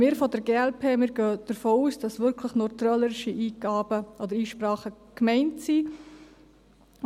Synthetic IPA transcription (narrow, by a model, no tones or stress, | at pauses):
mɪːɾfɔdəɾɡeːɛlpʰeːmɪːɾɡøːd̥əɾfoːuːsd̥ɑsʋʏɾkʰləχnɔʏt̪rɑləɾɪʃiʔiːɡ̥ɑːb̥əʔɔd̪əɾiːʃprɑːχəkmɛɪntsi